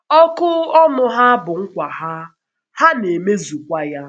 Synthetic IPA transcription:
ɔ˦kʊ˦ɔ˦nʊ˨ɦa˦bʊ˨ŋ̩˦kʷa˨ha˦ | ha˦ne˨me˦zu˨kʷa˦ja˦

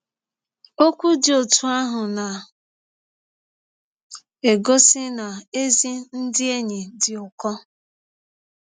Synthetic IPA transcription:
o˦kʷu˦dɪ˨o˨tu˦a˦ɦʊ˨na˨ | e˨ɡo˦sɪ˦na˨e˦zi˦n̩˦dɪ˦e˦ɲe˨dɪ˨ʊ˨kɔ˦

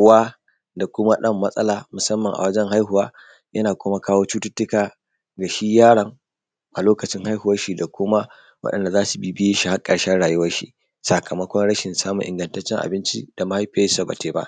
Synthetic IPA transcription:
ʊ˦waː˦ | da˨kʷʊ˦ma˦ɗɐ˦˨mːɐ˦sʼɐ˦laː˨mʊ˨sɐ˦mːɐ˨ŋʔa̰˨wɐ˦d͡ʒɛ˦ŋha˦jɦʊ˨waː˦ | jʔɐ˦naː˨kʷʊ˦ma˦kaː˦woː˦t͡ʃuː˦tʊ˦tːʊ˦kaː˨ | ɡa˨ʃi˦jaː˦ɽɐ˨ŋ | ʔa˨loː˦kɐ˨t͡ʃɪ˦ŋha˦jhʊ˨wɐ˦rʃi˨da˨kʷʊ˦ma˦ | wɐ̰˦ɗɐ̰˨nda˨zaː˦su˨bi˦bɪ˦je˦ʃi˨ha˦kʼɐ˨ɽʃɛ˦ɽaː˨jʊ˦wɐ˦rʃḭ˦ | sa˨kʰɐ˨mɐ˦kʷɔ˦nɽɐ˦ʃɪ˨nsaː˦mʊ̰˨ŋʔɪ̰˨ŋɡɐ˨ntɐ˦t͡ʃːɪ˦ŋʔa̰˨bɪ˦nt͡ʃḭ˦d̥a˨ma˦ha˦jɸe˦sa˨ba̰˨teː˨ba̰˦ʔ

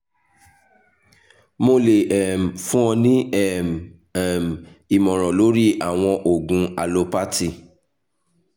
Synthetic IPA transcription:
mo˧le˨ɛ˨m̩˨fũ˦ɔ̃˧nĩ˦ɛ˦˨m | ɛ˦˨m˨ | i˨mɔ̃˨ɾ̃ɔ̃˨lo˨˦ɾi˦a˨w̃ɔ̃˧ʔo˨ɡũ˨˧a˧lo˧pa˦ti˦˨

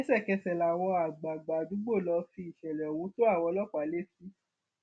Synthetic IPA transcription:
ɛ˦sɛ˦˨kɛ˧sɛ˨la˨w̃ɔ̃˧a˨ɡ͡ba˨ɡ͡ba˨du˨˦ɡ͡bo˦˨lɔ˧fi˧˦i˨ʃɛ˨lɛ˨ɔ˨wũ˨˦to˦a˦˨wɔ̃˧lɔ˦˨k͡pa˨˦le˦fi˦

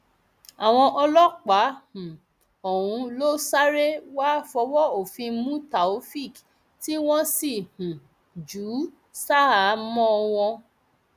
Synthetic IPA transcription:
a˨w̃ɔ̃˧ʔɔ˧lɔ˦k͡pa˨˦hũ˨ | ɔ˨ũ˧lo˦sa˦ɾe˦wa˦fɔ˧˦wɔ˦o˨fĩ˧˦mũ˦ta˨o˦fi˦˨k | ti˦w̃ɔ̃˦si˦˨h̩˨ | d͡ʒu˨˦ | sa˦a˨˦mɔ̃˦˧w̃ɔ̃˧

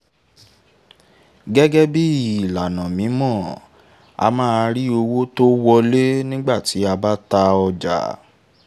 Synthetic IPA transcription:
ɡɛ˦ɡɛ˦bi˦ii˨la˨nã˨mĩ˨˦mɔ̃˦˨ | a̰˧mãː˦˧ɾi˦o˧wo˦to˦wɔ˧le˦nĩ˦ɡ͡ba˦˨ti˨˦a˧ba˦ta˧ɔ˧d͡ʒa̰˨

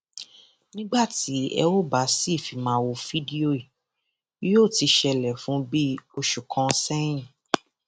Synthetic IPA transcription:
nĩ˦ɡ͡ba˦˨ti˨˦ɛ̰˧wo˦˨ba˨˦si˦˨fi˨mã˨˦wo˧fi˦di˦o˦i˨˦ | jo˦˨ti˧ʃɛ˧lɛ˨fũ˨˦bi˦o˧ʃu˨kʰɔ̃˨˧sɛ̃˦ĩ˦˨

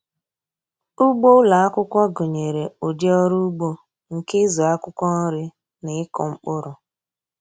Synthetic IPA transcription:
u˦ɡ͡bo˦la˨a˦kʷʊ˦kʷɔ˦ɡo˨ɲe˨ɾe˨o˨di˦ɔ˦ɾu˦ɡ͡bo˦ | ŋ̩˨ke˦zɔ˨a˦kʊ˦kʷɔ˦nɔ˦ɾɪ˦ | nɪ˨ɪ˦kɔ˨ŋ͡m̩˦k͡pʊ˦ɾʊ˨

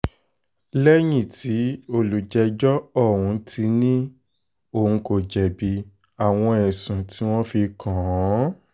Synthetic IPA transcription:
lɛ˦j̃ĩ˦˨tʰi˨˦o˦˨lu˨d͡ʒɛ˧d͡ʒɔ˦ɔ˦˨wũ˧tʰi˧˦nĩ˦ | o˨ŋ̩˧ko˨d͡ʒɛ˨bi˨˧ | a˨w̃ɔ̃˧ɛ˨sũ˨tʰi˨˦w̃ɔ̃˦fi˧kʰã˨˦

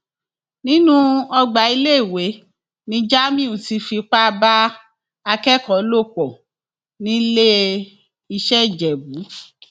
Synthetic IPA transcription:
nĩ˦nũ˦ɔ˧ɡ͡ba˨˦i˧le˦i˦˨we˨˦ | nĩ˧˦d͡ʒa˦mĩ˦ũ˨ti˧˦fi˧k͡pa˦˧ba˦ | a˧kɛ˦˨kɔ˨˦lo˦˨k͡pɔ˨ | nĩ˦le˦ | i˧ʃɛ˦˨d͡ʒɛ˨bu˨˦

